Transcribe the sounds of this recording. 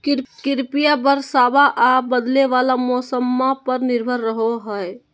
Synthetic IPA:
kiɾpijabəɾsabaʔabəd̪leʋalamɔsəmːapəɾniɾbʱəɾːəɦoɦəj

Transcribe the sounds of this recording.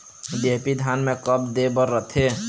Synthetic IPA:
d̪epid̪ʱanmẽkəp̚d̪ebəɾːət̪ʰe

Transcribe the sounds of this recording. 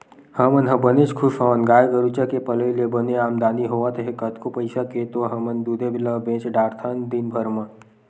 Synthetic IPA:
hɐmənɦɐbənet͡ʃkʰʊʃɦaːnɡaːjɡəɾut͡ʃakepɐləilebəneaːmd̪aːniɦoːʋat̪ʰɦekɐt̪kopɐɪsaket̪oɦɐmənd̪ud̪ʱebɪlabẽːt͡ʃɖaːɾt̪ʰand̪inbʱəɾmɐ

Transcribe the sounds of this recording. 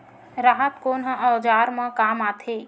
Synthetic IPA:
ɾaːɦət̪koːnɦə̃ɔːd͡ʒaːɾmə̃kaːmaːt̪ʰeː

